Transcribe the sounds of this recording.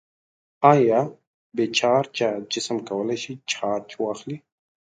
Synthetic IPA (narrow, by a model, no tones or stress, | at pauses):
aːja | beːt͡ɕʰaːɾt͡ɕad͡ʑɪsəmkɐwəlaɕit͡ɕʰaːɾt͡ʃʰuwaːxli